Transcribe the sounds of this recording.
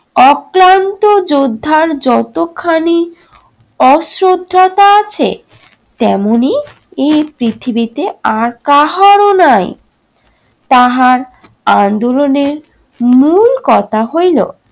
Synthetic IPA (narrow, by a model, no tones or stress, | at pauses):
ɔkɾant̪od͡ʑod̪ʱːaɾd͡ʑɔt̪okʰani | ɔsɾod̪ʱːat̪aat͡ɕʰḛ | t̪ɛmoni | ejpɾit̪ʰibit̪eaɾkaɦaɾonaj̰ | t̪aɦaɾ | and̪oloneɾ | mulkɔt̪ʰaɦojlo̰